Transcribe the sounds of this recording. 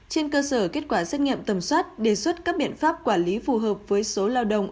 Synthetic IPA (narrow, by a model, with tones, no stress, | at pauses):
t͡ɕe˧nkəː˧səː˧˩ke˦˥t̚kwaː˧˩sɛ˦˥jt̚ŋḭ˧˨ə˨mt̪ə˧˩mswaː˦˥t̚ɗe˧˩swə˦˥t̚kaː˦˥k̚ɓḭ˧˨ənfaː˦˥p̚kwaː˧˩nli˨˦fu˨˩ɦəː˨˩p̚vəː˨˦jso˨˦laː˧wɗə̰˧˨wŋ͡m